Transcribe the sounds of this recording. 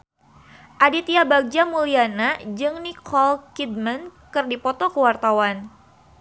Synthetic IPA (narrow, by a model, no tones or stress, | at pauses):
ʔadit̪iabaɡ̚d͡ʒamulianad͡ʒɨŋnikʰɔlkid̚mənkɨrdipɔt̪ɔkəwart̪awan